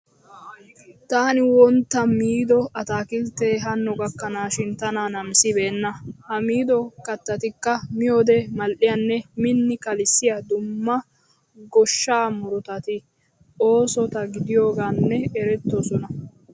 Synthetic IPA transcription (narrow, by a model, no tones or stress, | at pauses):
t̪aːnɪwɔnt̪ːɐmiːd̪ɔɐt̪aːkɪlt̪eːɦɐnːɔɡɐkːɐnaːʃɪnt̪ɐnaːnɐmsɪbe̞ːnːɐhɐmiːd̪ɔkɐt̪ːɐt̪ɪkːɐmɪjoːd̪ɛmɐlʔɪjɐnːɛmɪnːɪkɐlɪsːɪjɐd̪ʊmːɐ | ɡɔʃːaːmʊɾɔt̪ɐt̪ɪ | o̞ːsɔt̪ɐɡɪd̪ɪjo̞ːɡaːnːɛɛɾɛt̪ːɔsɔnɐ